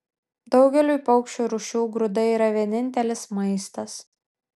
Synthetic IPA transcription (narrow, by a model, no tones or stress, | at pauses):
d̪ɒʊɡʲɛlʲuːpɐʊkʃʲt͡ʃʲuːɾʊʃʲuːɡɾʊd̪ɐiːɾɐʋʲiɛnʲɪnʲt̪ʲɛlʲɪsmɐɪst̪ɐs